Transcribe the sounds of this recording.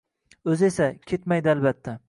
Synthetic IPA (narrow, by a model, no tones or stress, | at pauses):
ɵze̞sakʲʰet̪majd̪ɪalbat̪ʰːa